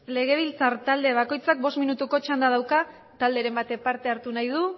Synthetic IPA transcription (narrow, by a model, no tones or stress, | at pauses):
le̞ɣe̞β̞ilt͡saɾt̪ald̪e̞β̞ako̞jt͡sak̚bo̞st̪minut̪uko̞t͡ʃand̪að̞awka | t̪ald̪e̞ɾe̞mbat̪e̞paɾt̪e̞aɾt̪unajðu